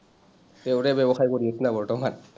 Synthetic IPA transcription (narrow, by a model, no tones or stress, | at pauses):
euɾebebɔxajkoɹietnabɔɹtɔman